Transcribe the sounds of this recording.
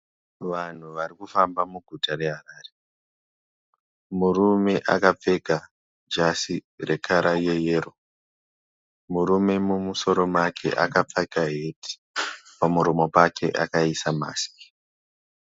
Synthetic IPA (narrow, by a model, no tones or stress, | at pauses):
ʋan̤uʋaɾikufambamuɡʱutaɾe̞ɦaɾaːre | murume̞ʔakap͡fe̞ka | d͡ʒasire̞kʰaɾajejeːɾo̞ | muɾume̞mumuso̞ɾo̞makʰe̞̰ʔakap͡fakaɦetʰi̥ | pamuɾomo̞pake̞̰ʔa̰kaisama̰ːsi̥